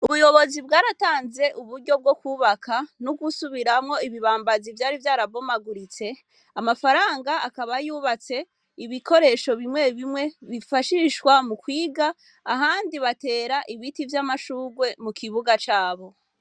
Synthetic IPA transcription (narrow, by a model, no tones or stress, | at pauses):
uβujo̞βo̞zibɡaːɾataːnze̞ʔuβuɾɟo̞b̚ɡo̞kwuːβakʰanuɡusuβiɾamŋo̞iβiβaːmbazivjaːɾivjaːɾaβo̞maɡuɾit͡se̞ | amafaɾaːŋɡaːkaβajuβat͡se̞ | iβikʰo̞ɾe̞ʃo̞βimwe̞βimŋwe̞βifaʃiʃwamukwiːɡaː | ɦaːndiβate̞ːɾaʔiβitivjamaʃuːɡwe̞mukʰiβuɡat͡ʃaːβo̞